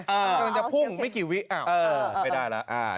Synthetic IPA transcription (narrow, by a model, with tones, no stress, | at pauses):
ʔɤː˧˩˧ma˧nt͡ɕa˨pʰu˥˩ŋma˥˩jkiː˨˩wi˦˥ʔa˨˩ɤː˧˩a˧˩daː˥˩jla̰˦˥ʔa̰ː˧˩